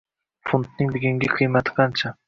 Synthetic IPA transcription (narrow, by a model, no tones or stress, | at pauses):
fʊnt̪̚nɪŋlɪɡʲɪŋɡʲaqʰɨjmat̪ʰɨ̥qʰɑnt͡ʃʰa